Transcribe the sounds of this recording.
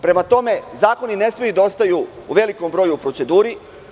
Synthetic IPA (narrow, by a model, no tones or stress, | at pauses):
pɾe̞mat̪o̞me̞zaːko̞nine̞smeid̪ao̞st̪ajuː | ʋe̞liko̞mbɾo̞jupɾo̞se̞d̪uːɾi